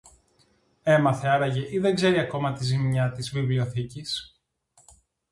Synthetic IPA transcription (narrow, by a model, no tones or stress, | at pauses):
e̞mɐθeɐɾɐʝe̞ʔiðe̞ŋɡze̞ɾiɐko̞mɐt̪izimɲɐt̪izvivlio̞θicis